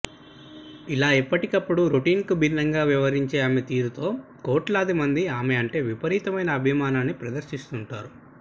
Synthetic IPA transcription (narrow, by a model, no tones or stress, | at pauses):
ilaːipːɐʈikɐpːuɽuɾoʈiːnkubʱinːɐŋɡaːʋiʋɐɾiɲt͡ʃeːamet̪iːɾut̪o̞ːkoːʈlaːd̪imɐnd̪iaːmeɐɳʈe̞ːʋipɐɾiːt̪ɐmɐjnɐːbʱimaːnaːnːipɾɐd̪ɐɾʃist̪uɳʈaːɾu